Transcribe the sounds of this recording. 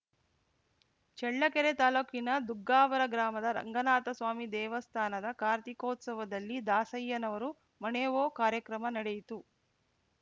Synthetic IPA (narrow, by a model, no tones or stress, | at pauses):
t͡ʃɛɭːɐkeɾet̪aːloːkinɐd̪uɡːaːʋɐɾɐɡɾaːmɐd̪ɐɾɐ̰ŋɡɐnaːt̪ɐsʋaːmid̪ɛːʋɐst̪ʰaːnɐd̪ɐkaːɾt̪ikoːt̪sɐʋɐd̪ɐlːid̪aːsɐjːɐnɐʋɐɾu | mɐneːʋoːkaːɾjɐkɾɐmɐnɐɽejit̪u